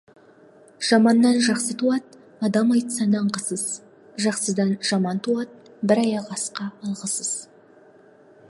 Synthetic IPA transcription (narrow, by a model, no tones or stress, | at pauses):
ʒ̥ɑmɑnːɑnʒɑqsət̪ʰuɑt̪̚ | ɑd̪ɑmɑjt̪sɑnɑɴqəsəz | ʒɑqsəd̪ɑnʒɑmɑnt̪ʰuɑt̪̚ | bɪɾɑjɑʁɑsqɑːlˠʁəsəz̥